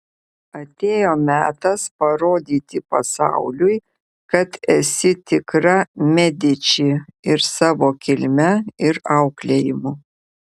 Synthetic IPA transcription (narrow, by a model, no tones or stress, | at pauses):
ɐt̪ʲeːjoːmʲæːt̪ɐspɐɾoːd̪ʲiːt̪ʲɪpɐsɑ̰ˑʊlʲʊɪ | kɐt̪ɛsʲɪt̪ʲɪkɾɐmʲɛd̪ʲɪt͡ʃʲiɪɾsɑːʋoːkʲɪlʲmʲɛɪɾɐʊklʲejɪmʊ